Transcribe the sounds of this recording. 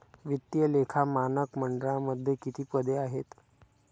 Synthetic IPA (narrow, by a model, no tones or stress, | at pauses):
ʋit̪jəlekʰamanəkməɳɖɾaməd̪ʱjəkit̪ʰiːpəd̪eaɦet̪